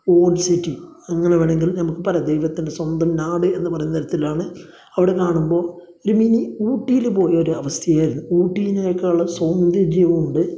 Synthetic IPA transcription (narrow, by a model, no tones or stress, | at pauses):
oːɖsitːiɐŋːɐneʋeːɳe̞ŋɡilnɐmukːɨpɐɾɐd̪ejʋɐt̪ːinde̞swɐnd̪ɐmnaːɽɨe̞nːɨpɐrɐjunɐɐiɾɐt̪ːilaːɳɨ | ɐʋiɽe̞kaːɳumbo̞ː | o̞ɾuminiuːʈːijilpo̞ːjɐoɾuɐʋɐst̪ʰjɐjaːjiɾunːuuːʈːijinejkːɐɭːɐsond̪id͡ʑejʋuuɳɖɨ